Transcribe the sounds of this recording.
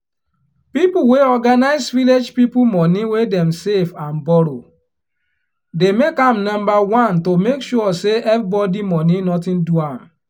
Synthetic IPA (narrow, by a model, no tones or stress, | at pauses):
pipuweɔɡanaɪsviled͡ʒpipumɔniwedɛ̃msevãnbɔɾo | demekãmnɔ̃mbawɔ̃ntomekʃuɔseɛfbɔdimɔninɔtĩnduãm